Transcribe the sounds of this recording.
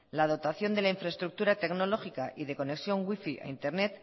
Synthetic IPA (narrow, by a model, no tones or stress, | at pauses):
lað̞o̞t̪aθjo̞nd̪e̞laiɱfɾaest̪ɾuk̚t̪uɾat̪e̞ɡno̞lo̞xikaʔiðe̞ko̞ne̞ksjo̞ŋɡwifiʔa̰int̪e̞ɾne̞t̪